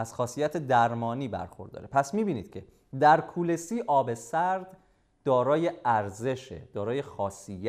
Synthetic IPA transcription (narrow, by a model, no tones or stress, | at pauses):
æz̥xɒːsijæt̪ʰed̪æɾmɒːniːbæ̰ɾxo̰ɾd̪ɒ̰ːɾepʰæsmiːbiːniːd̪̥̚cʰe̞ | d̪æɾkʰuːle̞siːʔɒːbe̞sæɾd̪ | d̪ɒːɾɒːje̞æɾze̞ʃḛd̪̥ɒːɾɒːje̞xɒːsijæ